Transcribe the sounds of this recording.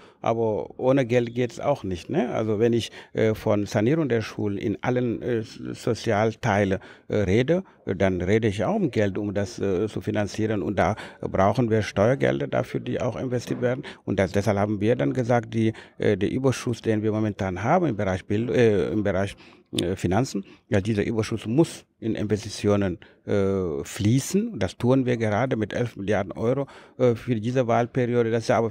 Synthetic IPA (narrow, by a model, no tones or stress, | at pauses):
ʔa̰ːbɐʔoːnəɡɛltɡ̥eːtɛsa̰ʊxnɪçtnɛʔa̰lzovɛnɪçʔfɔnz̥aniːʁʊŋdeːɐʃṵːlənʔɪ̰nʔa̰lənz̥ot͡sjaːltʰaɪlənʁeːdə | danʁeːdəɪça̰ʊxʊmɡɛltʊmdast͡sufinant͡siːʁənʊ̰nt̚d̥a̰ːbʁaʊxn̩viːɐʃtɔʏɐɡɛ̰ldɐda̰fyːɐdḭːʔa̰ʊxɪ̰nvɛstʰiːɐtv̥eːɐdn̩ʔʊntd̥asd̥ɛshalphaːbm̩viːdanɡəzaːkt̚d̥iːdeːʔyːbɐʃʊsd̥eːnviːɐmomɛntʰaːnɦaːbm̩ɪmbəʁaɪçb̥ɪlɪ̰mbəʁaɪç | finant͡sn̩vadiːzɐʔyːbɐʃʊsmʊs | ʔɪnʔɪ̰nvɛstit͡sjoːnən | fliːsn̩ʊnt̚d̥astʰuːənviːɐɡəʁaːdəmɪtʔɛlfmɪljaɐdn̩ʔɔʏʁofyːɐdiːzəvaːlpɛʁioːdədassʔaːbɐ